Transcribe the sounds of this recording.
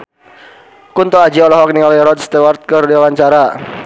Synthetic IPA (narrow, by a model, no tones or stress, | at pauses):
kunt̪ɔad͡ʒiɔlɔɦɔk̚niɔlɛɾɔd̪st̪ɛwart̪̚kərdiawaɲt͡ʃaɾa